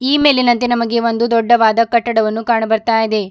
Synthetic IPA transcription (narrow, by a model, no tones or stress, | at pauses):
iːme̞ːlinɐnt̪enɐmɐɡe̞o̞nd̪ud̪ɔɖːɐʋaːd̪ɐkɐʈːɐɽɐʋɐnːukaːɳɐbɐɾt̪aːjid̪e̞